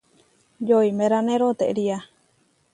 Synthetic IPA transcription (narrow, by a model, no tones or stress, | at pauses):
joimeɾanẽɾot̪eʔɾia